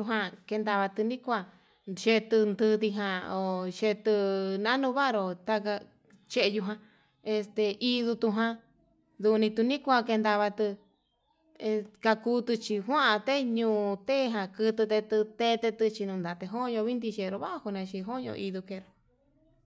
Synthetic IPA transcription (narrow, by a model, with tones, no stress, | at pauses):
u˧ɦã˧ke˧nd̪a˧βa˧t̪ɨ˧nĩ˦kʷa˧ | ʃe˧t̪ɨ˧nd̪ɨ˧t̪i˧ɦã˧o˨ʃe˧t̪ɨ˧nã˦nũ˧βa˦˧ɾo˧t̪a˧ka˧ | t͡ʃe˧ʔe˧ju˧ɦã˧ | e˧st̪e˧i˧ðu˧t̪u˧ɦã˧ | ðu˧nĩ˧t̪u˧nĩ˦kʷa˧ke˧nd̪a˧βa˧t̪ɨ˧ | ka˧kuː˧t̪ɨ˧t͡ʃi˧ɦwã˦ʔa˧t̪e˦ɲũː˧˨˧t̪e˦˧ɦã˧kɨ˧t̪ɨ˧t̪e˧t̪ɨ˧t̪e˦˧t̪e˧t̪ɨ˧t͡ʃi˧nũ˧nd̪a˨t̪e˧ɦõ˦˧ɲõ˧βi˦nd̪i˧ʃe˧ɾo˧βa˦ʔhu˧nẽ˧t͡ʃi˧ɦõ˦ɲõ̰˧i˧ðu˧ke˧ɾo˧